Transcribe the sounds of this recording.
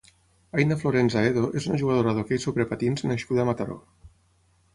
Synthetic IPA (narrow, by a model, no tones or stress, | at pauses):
ajnafloɾenzaeðoʔezunaʒuɣað̞oɾaðokejsoβɾepat̪inznaʃkuðamat̪aɾo̰